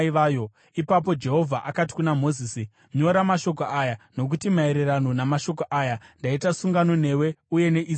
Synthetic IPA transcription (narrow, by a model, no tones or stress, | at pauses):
iʋaːjo | ipap̬o̞d͡ʒe̞ɦo̞vʱaʔakati̥kunamo̞zisi | ɲo̞ɾamaʃo̞koʔajano̞k̬utimaeɾerano̞namaʃo̞koʔajandaitasuŋɡano̞n̤e̞we̞uje̞ne̞ʔi